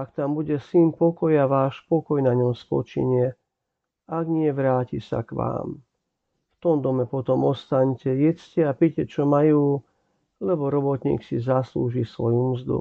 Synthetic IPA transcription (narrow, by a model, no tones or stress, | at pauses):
akt̪ambuɟɛsinpɔkɔjaʋaːʃpɔkɔjnaɲɔmspɔ̰t͡ʃḭɲɪɛ | aɡɲɪɛʋɾaːcisa̰kʋa̰ːm | ft̪ɔmd̪ɔmɛpɔt̪ɔmɔst̪aɲcɛjɛt͡scɛapicɛt͡ʃɔmajuː | lɛbɔɾɔbɔt̪ɲḭːksizaslṵːʒisʋɔjumzd̪ṵ